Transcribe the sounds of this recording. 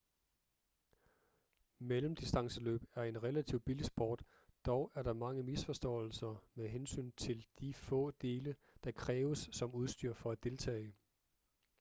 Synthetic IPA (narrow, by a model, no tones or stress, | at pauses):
melm̩d̥isd̥ɑ̈ŋsəlø̰ːb̥æɐe̝nʁɛlæt͡sʰiʊ̰b̥ilisb̥ɒːd̥ | d̥ɒʊʔæɐɾ̥ɑ̈mɑ̈ŋəmisfɒ̽sd̥ɔ̰̽ːl̩sɐmeɦensy̰ːnt͡sʰe̝ld̥ifɔ̰̽ːd̥e̝ːlə | d̥ɑ̈kʰʁɛːʊəsːɒ̽muð̞ˠsd̥yɐ̰fɒ̽æd̥e̝lt͡sʰɛ̰ːɪ